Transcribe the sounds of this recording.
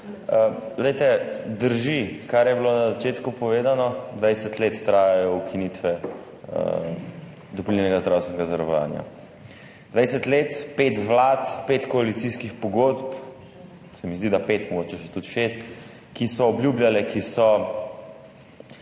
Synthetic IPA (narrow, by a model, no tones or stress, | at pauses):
d̪ɛjt̪ɛd̪əɾʒikaɾjɛbilonazat͡ʃeːt̪kupɔʋeːd̪anɔd̪ʋajsɛt̪leːt̪ːɾaːjajɔwkʰinit̪ʋɛ | d̪ɔplinɛnɛɡazd̪ɾawst̪ɛnɛɡazɐɾɔʋa̰ːnja̰ | d̪ʋajsɛt̪leːt̪peːt̪ʋlaːt̪peːt̪kɔalit̪siskixpɔɡoːd̪p | sɛmizd̪id̪apet̪mɔɡoːt͡ʃɛʃɛt̪ut̪ʃest̪ | kisɔːbljuːbljalɛkisɔ